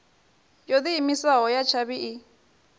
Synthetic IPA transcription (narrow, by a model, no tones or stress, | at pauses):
jod̪iimisaɦɔjat͡ʃʰaβiʔi